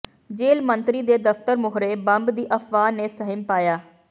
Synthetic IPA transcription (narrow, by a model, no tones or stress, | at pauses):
d͡ʒeːlmənt̪ɾiːd̪eːd̪əft̪əɾmʊɦɾeːbəmbd̪iːʔəfʰʋaːneːsəɦɪmpaːjaː